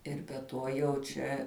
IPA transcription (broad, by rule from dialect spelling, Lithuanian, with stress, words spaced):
ˈɪr bʲɛ ˈtuɔ jɛʊ ˈt͡ʃʲɛ